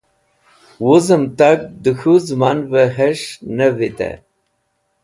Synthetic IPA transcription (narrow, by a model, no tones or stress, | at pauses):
wuzəmt̪ak̚d̪əxuzmanveɦeʂnəvit̪ḛ